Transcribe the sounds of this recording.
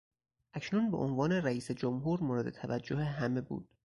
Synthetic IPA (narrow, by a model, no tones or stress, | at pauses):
ʔæcʰnunbeʔonvɒːne̞ɾæiːsed͡ʒomɦuːɾmoːɾed̪e̞̰t̪ʰævæd͡ʒːoheɦæme̞bṵːd̪̥̚